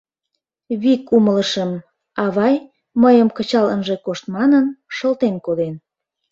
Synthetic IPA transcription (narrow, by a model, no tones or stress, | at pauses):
βikumələʃəm | ɑβɑj | məjəmkət͡ɕɑlə̰nʒekoʃt̪mɑnənʃəlt̪enkod̪en